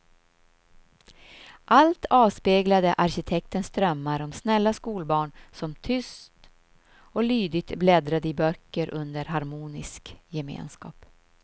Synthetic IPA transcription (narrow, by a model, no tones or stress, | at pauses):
ʔalt̪ʰɑːvspeːɡlad̪əʔaɾɕɪt̪ʰɛk̚t̪ənsd̪ɾœmːaɾɔmsnɛlːaskuːlbɑːɳsɔmt̪ʰʏst̪ | ɔlyːd̪ɪɡ̚t̪blɛd̪ɾad̪əɪbœkːəɾʔɵnd̪əɾɦaɾmuːnɪskjɛmḛːnskɑ̰ːp